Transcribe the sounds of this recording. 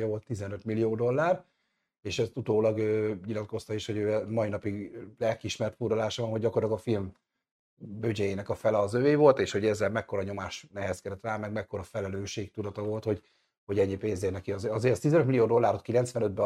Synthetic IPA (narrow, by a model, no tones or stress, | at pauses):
jɒvo̞lt̪ːizɛnøt̪milːijoːd̪o̞lːaːr | eːʃɛst̪ut̪oːlɒɡøːɲilɒt̪ko̞st̪ɒeʃho̞ɟøːmɒinɒpiɡlɛlkiiʃmɛrt̪puɾolaːʃɒvɒnɦoɟɟɒkortlɑɡɒfilm | bød͡ʒɛjeːnɛkɒfɛlɛɒzøveːvo̞lt̪eːʃho̞ɟɛzːɛlmɛkːo̞ɾɒɲo̞maːʃnɛɦɛskɛd̪ɛt̪raːmɛɡmɛkːo̞ɾɒfɛlɛløːʃeːkt̪ud̪ɒt̪ɒvo̞lt̪ho̞ɟ | ho̞ɟɛɲːipeːnzeːlnɛkiɒzɒzeːɾɛst̪izɛnøt̪milioːd̪o̞lːaːɾot̪kilɛnt̪svɛnød̪̚bɛ